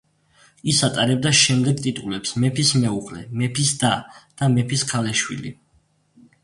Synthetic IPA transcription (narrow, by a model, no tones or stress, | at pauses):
isat̪ʼaɾɛb̚d̪aʃɛmd̪ɛɡt̪ʼit̪ʼulɛpsmɛpʰismɛuʁlɛ̰mɛpʰisd̪̥ad̪̥amɛpʰiskʰalɛʃwḭlḭ